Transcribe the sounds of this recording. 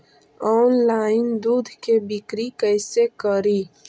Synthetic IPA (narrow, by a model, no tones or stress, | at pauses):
ɔːnlaːɪnd̪uːd̪ʱkebɪkɾikəɪsekəɾiː